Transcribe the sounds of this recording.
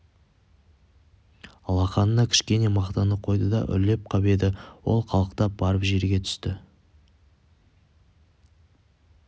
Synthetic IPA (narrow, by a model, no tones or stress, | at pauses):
lˠɑqɑnənɑkʲʰɪ̥ʃkʲe̞ne̞mɑqt̪ɑnəqʰo̞jd̪əd̪ɑ̰ʔʏ̰ɾle̞p̚qʰɑbe̞d̪ɪwo̞̰lˠχɑlˠəqt̪ɑb̥ɑɾəpʒe̞ɾɡʲe̞t̪ʰʏ̥st̪ɪ